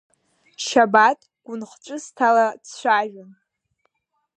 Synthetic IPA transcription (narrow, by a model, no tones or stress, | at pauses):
ʃabatʼɡ̥ʷʊnχʈ͡ʂʷʼɨstʰalat͡sʰt͡ɕʷaʒᶣʊn